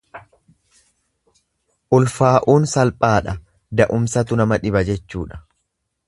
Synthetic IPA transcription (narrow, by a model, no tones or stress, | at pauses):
ʔʊlfaːʔuːnsɐlpʼaːᶑɐ | d̪ɐʔʊmsɐt̪ʊnɐmɐᶑɪbɐd͡ʒɛt͡ʃːuːᶑɐ̥